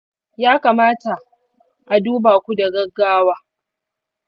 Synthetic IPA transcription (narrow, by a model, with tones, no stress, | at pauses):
jaː˦kaː˨maː˦ta˨ʔ | ʔa˨duː˦baː˨kʷu˦da˨ɡɐ˦ɡːaː˦waː˦